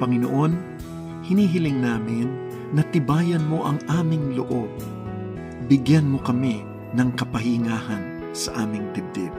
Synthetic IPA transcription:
pɐŋɪno̰ʔo̞n | hɪniːɦɪlɪŋnaːmɪnː | ɐt̪ɪbaːjɐnmo̞ʔɐŋʔaːmɪŋloʔob̚ | bɪɡjanmo̞kɐmɪ | nɐŋkɐpɐhɪŋaːhɐn | sɐ̰ʔaːmɪŋd̪ɪb̚d̪ɪb̚

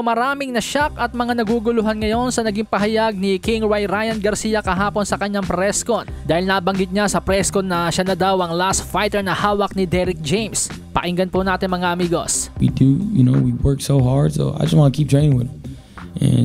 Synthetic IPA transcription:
mɐɾaːmɪŋnɐʃakɐt̪̚mɐŋanɐɡuːɡʊlʊɦanŋɐjo̞nsɐnɐɡiŋpɐɦɐjaɡ̚nikɪŋɹajɾajɐnɡɐɾsiːjɐkɐɦaːponsɐkɐɲaŋpɾɛskond̪aːhɪlnɐbɐŋɡɪt̪̚ɲasɐpɾɛskonɐʃanɐd̪awʔɐŋlast̪fajt̪ɛɹnɐhaːwɐk̚nɪd̪ɛɾɪk̚d͡ʒejms | pɐ̰ʔɪŋɡɐnponaːt̪ɪnmɐŋaʔɐmiːɡo̞̰swḭdujɨnoʊwiwɜ˞ksoʊɦɑɹd̥so̰ʊa̰ɪjd͡ʒɐstwɑ̃nəkʰip̚d͡ʒ̥ɔɪɪ̃ŋwɪd | ʔɛ̰̃n

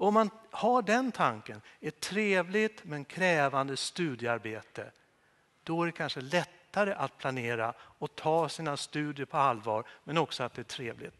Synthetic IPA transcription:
ɔɔmːanhaɖɛnt̪ʰaŋkənɛʈʰɾeːvlɪt̪mɛnkʰɾɛːvand̪əst̪ʉ̟ːd̪jəaɾbeːt̪ə | d̪̥ɔæɖɛkʰanʂəlɛt̪ːaɾəʔat̪̚pʰlaneːɾa̰ɔt̪ʰɑːsiːnast̪ʉ̟ːd̪jəɾpʰɔalvɑ̰ːɾmɛnɔksɔat̪̚d̪ɛæʈʰɾeːvlɪ̰t̪

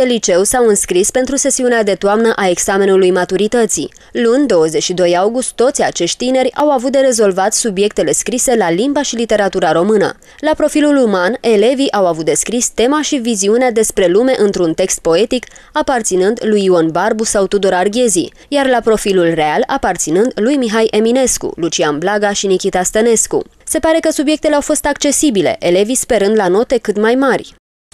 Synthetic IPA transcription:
elit͡ʃe̞wsawɨnskɾispe̞nt̪ɾuse̞siunead̪e̞t̪oamnəʔae̞ɡsame̞nulujmat̪uɾit̪ət̪sḭ | lunʲd̪o̞wəze̞t͡ʃʃid̪o̞jawɡust̪tːo̞t̪sʲa̰t͡ʃe̞ʃt̪̚ʲt̪ine̞ɾʲa̰wavut̪̚d̪e̞ɾe̞zo̞lvat̪ssubje̞k̚t̪e̞le̞skɾise̞lalimbaʃilit̪e̞ɾat̪uɾaɾo̞mɨnə̰ | lapɾo̞filulumane̞le̞viʔawavut̪̚d̪e̞skɾist̪e̞maʃiviziunead̪e̞spɾe̞lume̞ʔɨnt̪ɾunt̪e̞kst̪̚po̞e̞t̪ikapart̪sinɨnd̪lujionbarbusawt̪ud̪oɾarɡʲe̞zḭ | jarlapɾo̞filulre̞ala̰part̪sinɨnd̪lujmiɦajʔe̞mine̞skṵlut͡ʃianblaɡaʃinikʲit̪ast̪əne̞skṵ | se̞paɾe̞kəsubje̞k̚t̪eleawfo̞st̪akt͡ʃe̞sibile̞̰ʔe̞le̞vispe̞ɾɨnd̪lano̞t̪e̞kɨt̪majmarʲ

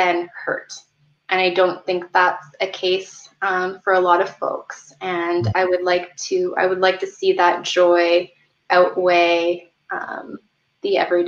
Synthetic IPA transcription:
ɨ̃nhɜ̰˞t | ʔɨ̃ñaɪdõʊ̃nθɪ̃ŋk̚ðætsɨkʰeɪsʌ̃mfə˞əlɔɾʌv̥fo̰ʊks | ɨ̃naɪwɨdˡlaɪk̚tʰɨa̰ɪwədˡlaɪk̚tʰɨsiðət̚d̥ʒ̥ɔɪ | ʔaʊʔweɪ | ʔʌ̰̃m | ðiɛ̰vɹi

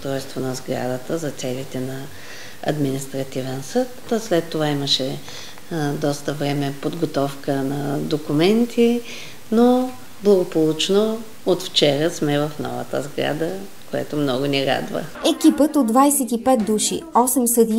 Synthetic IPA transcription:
ost̪ɾɔjst̪vonɐzɡɾa̰d̪ət̪əzɐt̪sɛlit̪ɛnɐ | ɐ̰d̪minist̪ɾɐt̪ivɛnsɤt̪slɛt̪ːovaiməʃɛ | d̪ɔst̪əvɾɛmɛpod̪ɡot̪ɔfkənɐd̪okumɛnt̪ʰi | no | blˠɐɡopolˠut͡ʃno | ot̪ft͡ʃɛɾəsmɛvəfnɔ̰və̰t̪ə̰zɡɾa̰d̪ə | koɛ̰t̪omnɔɡʊniɾa̰d̪və̰ | ɛkʲipət̪od̪vajsɛt̪ipɛt̪̚d̪uʃḭɔsɛmsəd̪i

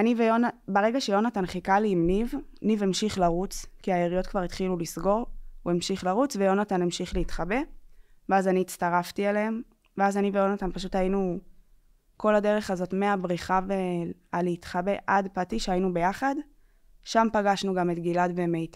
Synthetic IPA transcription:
anivejo̞nabeʁe̞ɡaʃejo̞natanχikaliːmnivnivemʃiχlaʁut͡skiaeʁijo̞tkvaʁit̪χilulisɡo̞ʁuemʃiχlaʁut͡svejo̞natanemʃiχleit̪χabe̞veazaniːtstaʁaftialeem | veazanivejo̞natanpaʃutajinu | ko̞lade̞ʁe̞χazo̞tmeabʁiχave | aliitχabe̞ʔadpatiʃeainube̞jaχad | ʃampaɡaʃnuɡametɡiladvemejta

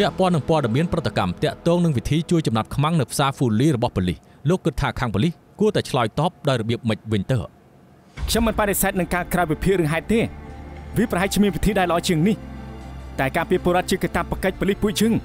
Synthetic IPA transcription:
pɛ̆əʔpɔ̆ənːɨŋpŏəɗemiənprət̪ːakamt̪ɛ̆əʔt̪ɔːŋnɨŋʋit̪ʰiːt͡ɕuəjt͡ɕɑmnat̪̚kʰmaŋnɨwpʰsaːfuliːrɔɓɑhpɔlih | loːkːɨt̪ʰːaːkʰaːŋpɔlih | kuət̪aɛt͡ɕʰlɑɔjt̪ɑːp̚ɗaɔjrɔɓiəp̚mɨc̚ʋɨɲt̪əːʔ | kʰɲomːɨnpaɗesaɛt̪̚nɨŋkaːkraɔpipʰiəʔrɨəŋɦaɛt̪ːeːʋiəprɑɦaɛc̚t͡ɕʰːmiənʋit̪ʰiːɗaɛləʔɑːt͡ɕiəŋnih | t̪aɛkaːpiəpoːɾɔət̪̚t͡ɕiəkat̪apːakəc̚pɔlihpuəʔ̚t͡ɕɨːəŋ

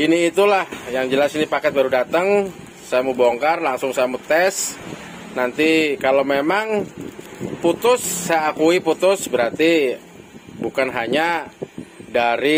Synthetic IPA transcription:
iniːt̪ulahjaŋd͡ʒəlasinipakɛt̪̚baɾudat̪əŋ | sajamuboŋkarlaŋsʊŋsajamut̪ɛs | nant̪ikalawmemaŋ | put̪ʊsːajaːkuiput̪ʊsbəɾart̪i | bukanɦaɲa | daɾi

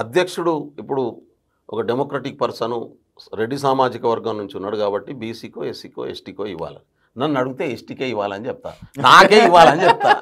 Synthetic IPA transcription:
ɐd̪ʱjɐkʂuɽuipːuɽu | ɔkɐɖemoːkɾɐʈik̚pɐɾsɐnu | ɾe̞ɖːisaːmaːd͡ʒikɐʋɐɾɡɐmnuɲt͡ʃiunːaːɽukaːbɐʈːibiːsiːkoːesiːko̰ːesʈiːkoːiʋːa̰ːlɐ | nɐnːunɐɽuɡut̪eːesʈiːkeːiʋːaːlɐnit͡ʃɛp̚t̪a̰ːnaːkeːiʋːaːlɐnit͡ʃɛp̚t̪aː

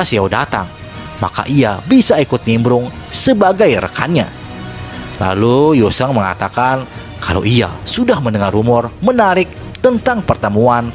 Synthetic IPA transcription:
asiawdat̪a̰ŋ | ma̰ka̰ʔiabisaikʊt̪̚ɲimbɾʊŋ | səbaɡajrə̰ka̰nɲa̰ | la̰lujosaŋməŋa̰t̪akan | kʰala̰ʔia̰sudahmənəŋarumɔrmənaɾɪk̚ | t̪ənt̪aŋpərt̪əmuan

